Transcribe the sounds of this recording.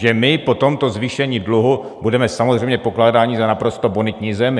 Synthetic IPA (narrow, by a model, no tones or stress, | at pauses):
ʒɛmɪpo̞t̪o̞mt̪o̞zviːʃɛɲiːdluɦu | budɛmɛsamozr̝ɛjmɲɛpo̞klaːdaːɲizanapɾo̞st̪o̞bonɪt̪ɲiːzɛmɪ